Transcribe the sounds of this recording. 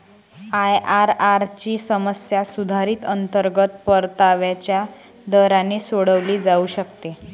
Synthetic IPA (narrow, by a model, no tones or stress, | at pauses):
ajʔaɾaɾt͡ɕiːsəməsjasud̪ʱaɾiːt̪ənt̪əɾɡət̪pəɾt̪aʋjat͡ɕja | d̪əɾanesoɽəʋliːd͡zauːɕəkt̪e